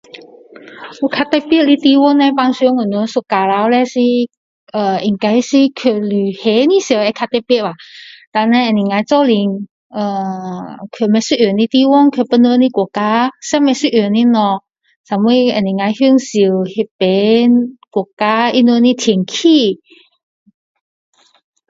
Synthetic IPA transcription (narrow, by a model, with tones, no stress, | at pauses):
u˧˦kʰa˧t̪ɛ˧pi˥˨ʔ̚li˧t̪i˧wɔ˥nna˧pa˧ŋsu˧˦ŋə˧˨˩nɔ˧˦su˧ka˧la˧˦wlɛ˧˥si˧ | ʔə˨˩i˧˩ŋka˧˥jsi˧˥kʰə˧˩ly˨˩he˨˦nĩ˧˦ɕə˧˩ɛ˧kʰa˧t̪ɛ˧pi˥˨t̚a˨t̪a˧nã˧ʔə˨˩nĩ˨˩ŋa˧˦t͡sɔ˥˧li˧ŋ | ə˧˩ | kʰø˧˩mɛ̃˧˦si˥˧ʔjø˨˩nĩ˧˥t̪i˧wɔ˥˨nkʰə˧˩pə˧nə˧˦nĩ˧˩kwɔ˨˩˨ka˧˥sa˧˥mɛ̃˧si˧˨ʔjø˨˩˨nĩ˧˥nɔ˧ | sa˨˧mwi˧ə˨˩nĩ˨˩ŋa˧jhy˥˧ŋsi˧˩whe˧˩pe˨˦kwɔ˨˩ka˦i˧˥nə˧˦nĩ˧t̪ʰi˨˩ŋkʰi˥˧˩